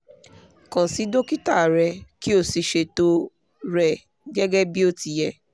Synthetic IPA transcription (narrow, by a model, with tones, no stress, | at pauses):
kã˨si˨˦do˦ki˦ta˦˨ɾɛ˧ki˦o˦˨si˧ʃe˧to˧ | ɾɛ˧ | ɡɛ˦ɡɛ˦bi˦o˦ti˧jɛ˧